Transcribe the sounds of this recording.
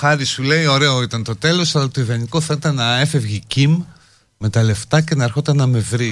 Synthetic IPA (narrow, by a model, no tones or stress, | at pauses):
xɐɾisule̞io̞ɾe̞o̞it̪ɐnt̪o̞t̪e̞lo̞sɐlɐt̪oiðɐnikoθɐit̪ɐnɐe̞fe̞vʝicim | me̞t̪ɐle̞ft̪ɐce̞nɐeɾxo̞t̪ɐnɐme̞vɾi